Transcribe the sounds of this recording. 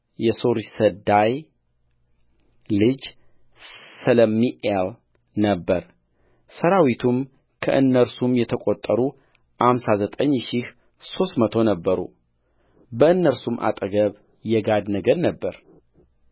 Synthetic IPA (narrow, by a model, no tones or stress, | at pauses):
jɛso̞ɾisəd̪aj | lɨd͡ʒ | sələmːiʔel | nəbːəɾ | səɾawit̪ʰum | kʰə̰ʔɨnːəɾsumjɛt̪ʰəkʼot̪ʼːəɾu | ʔhamsazət̪ʼəɲːʃih | so̞st̪mət̪ʰo̞nəbːəɾṵ | bəɨnːəɾsumʔa̰t̪ʼəɡəβ | jɛɡad̪nəɡəd̪nəbːəɾ